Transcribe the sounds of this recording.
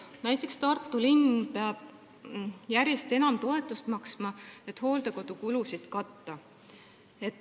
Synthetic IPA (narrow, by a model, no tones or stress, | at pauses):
næjt̪ːˑe̞kst̪ɑrt̪ːˑulinpeɑb̥̚ | jæɾjest̪e̞nɑmt̪o̞e̞t̪ːˑust̪mɑksmɑe̞t̪ːˑho̞ːld̪e̞ko̞d̪̥ukulusid̪̥kɑt̪ːɑ | e̞t̪ː